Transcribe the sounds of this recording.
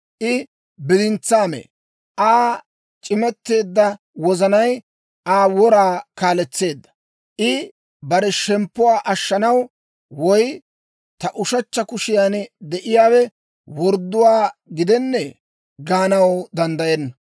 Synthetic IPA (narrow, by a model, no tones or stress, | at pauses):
ʔɪ | bɪd̪ɪnt͡sːaːmḛ | ʔaː | t͡ʃʼɪmɛt̪ːe̞ːd̪ːɐ | wɔzɐnɐj | ʔaːwɔɾaːkaːlɛt͡sːe̞ːd̪ːɐ̥ | ʔɪ | bɐɾɛʃɛmpːʊwaːʔɐʃːɐnɐw | wɔj | t̪ɐʔʊʃɐt͡ʃːɐkʊʃɪjaːnd̪ɛʔɪjaːwɛ | wɔɾd̪ːʊwaːɡɪd̪ɛnːɛ | ɡaːnɐwd̪ɐnd̪ɐjɛnːɐ